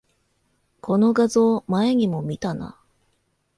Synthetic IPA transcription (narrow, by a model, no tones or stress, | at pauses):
kʰo̞no̞ɡazo̞ːmae̞ɲ̟imo̞mʲit̪ana̰